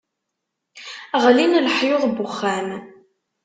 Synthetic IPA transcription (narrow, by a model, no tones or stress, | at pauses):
ʁlinlħjoðˤbʊχːæn